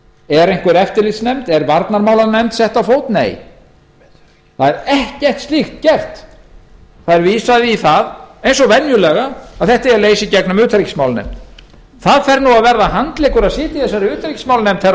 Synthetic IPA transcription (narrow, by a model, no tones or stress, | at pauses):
ɛɾejŋkvɪɾɛft̪ɪɾlitsnɛmt̪ɛɾvaɾt̪naɾmaːwlaɾnɛmt̪sɛht̪awfowt̪nḛːj | θaðɛɾɛhcɛr̥t̪st̪ixt̪̚cɛr̥t̪ | θaðɛɾviːsaðɪiθaðejnsɔvɛnjʏlɛɣaaðθɛht̪ɛjaleːjsicɛknʏmʏːt̪ɾicsmawlnɛ̰mt̪ | θaðfɛɾnuaðvɛɾðahant̪lɪːkʏɾaðsɪːt̪ɪθɛsːaɾɪʏːt̪ɾicsmawlnɛmt̪θɛ